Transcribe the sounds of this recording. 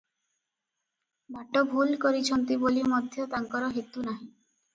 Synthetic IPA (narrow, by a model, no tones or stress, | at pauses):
baʈobʱulkɔɾit͡ɕʰɔnt̪ibolimɔd̪ʱjɔt̪aŋkɔɾɔɦit̪ːunaɦĩ